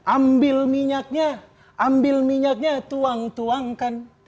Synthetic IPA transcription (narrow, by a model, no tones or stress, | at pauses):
ʔambɪlmiɲak̚ɲa | ʔambɪlmiɲak̚ɲat̪uaŋt̪uaŋkan